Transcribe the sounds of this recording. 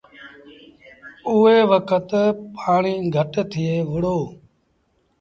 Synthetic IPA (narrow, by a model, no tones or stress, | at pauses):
ʊeːʋəkʰət̪paːɳiːɡʱəʈt̪ʰɪeːʋɪɽoː